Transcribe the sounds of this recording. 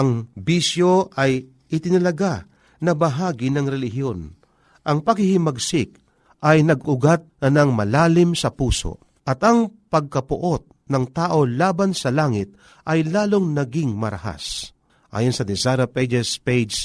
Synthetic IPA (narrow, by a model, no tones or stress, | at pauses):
ʔɐŋbisjo̞ʔɐj | ʔɪt̪ɪnɐlɐɡa | nɐbɐɦaːɡɪnɐŋɾɛlɪɦjo̞n | ʔɐŋpɐɡhɪhɪmɐɡsɪk̚ | ʔɐjnɐɡʊɡat̪̚nɐnɐŋmɐlaːlɪmsɐpuːso̰ | ʔɐt̪ɐŋpɐɡ̚kɐpʊ̰ʔo̞t̪̚nɐŋt̪aːʔo̞laːbansɐlaːŋɪt̪̚ | ʔɐjlaːloŋnɐɡɪŋmɐɾɐ̰ha̰s | ʔa̰ːjonsɐd̪ɛsaɾɐpɛd͡ʒɛspejd͡ʒs